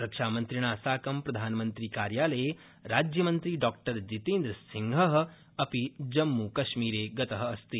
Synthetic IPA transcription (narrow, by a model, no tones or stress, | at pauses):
ɾɐkʂaːmɐnt̪ɾiɳ̃aːsaːkɐmpɾɐd̪ʱaːnɐmɐnt̪ɾikaːɾjaːlɐje | ɾaːd͡ʒjɐmɐnt̪ɾiɖɔːk̚ʈɐɾd͡ʒit̪eːnd̪ɾɐsiŋɡʱɐɦɐ̆ | ɐpid͡ʒɐmːukɐʃmiːɾeːɡɐt̪ɐɦɐ̆ːst̪i